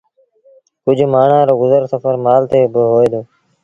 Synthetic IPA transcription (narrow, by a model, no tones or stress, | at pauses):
kʊd͡ʒʱmaːɳ̤ãːɾoːɡʊzəɾsəfəɾmaːlt̪eːbəɦoːeːd̪oː